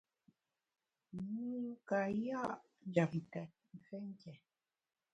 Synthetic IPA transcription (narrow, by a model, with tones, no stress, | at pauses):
mu˦ŋ˦ka˨ja˦ʔ | d͡ʒa˨ktɛ˨t̚ŋ˨kɛ˦ŋ̩˦kɛ˨